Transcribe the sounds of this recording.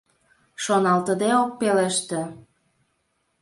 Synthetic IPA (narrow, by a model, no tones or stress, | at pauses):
ʃonɑlt̪əd̪eok̚peleʃt̪ĕ